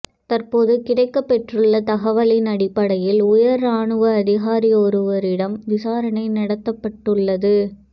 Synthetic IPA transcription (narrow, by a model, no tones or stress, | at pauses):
t̪ɐrpoːðɯkɪɽɐɪkːɐpːɛʈrɯɭːɐt̪ɐɣɐʋɐlɪnɐɽɪpːɐɽɐjɪlʊjɐɾaːɳɯʋɐːðɪɣaːɾiɔɾɯʋɐɾɪɽɐmʋɪsaːɾɐɳɐɪnɐɽɐt̪ːɐpːɐʈːɯɭːɐðɯ